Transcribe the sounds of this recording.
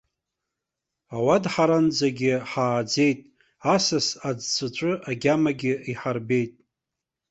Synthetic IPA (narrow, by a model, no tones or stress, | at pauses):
awadħaɾand͡zaɡʲɪħaːd͡ze̞jtʼ | asasad͡zt͡sʷʰʼɨt͡ʃʷʼɨʔaɡʲamaɡʲɪiħarbe̞jtʼ